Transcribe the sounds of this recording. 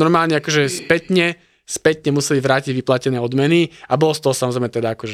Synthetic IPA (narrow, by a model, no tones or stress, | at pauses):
nɔɾmaːlɲɛakɔʒɛspɛt̪ɲɛ | spɛt̪ɲɛmusɛliʋɾaːciɟʋiplacɛnɛːɔd̪mɛniabɔlɔst̪ɔɦɔsamɔzɾɛmɛt̪ɛd̪aakɔʒɛ